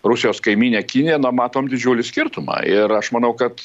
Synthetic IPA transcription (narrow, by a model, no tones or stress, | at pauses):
ɾʊsʲɪjoːskɐɪmʲiːnʲeːkʲɪnʲɪjɛnʊmɑːt̪oːmd̪ʲɪd͡ʒʲuːlʲɪsʲkʲɪɾt̪ʊmɑ̰ːʔɪɾɐʃmɐnɐʊkɐt̪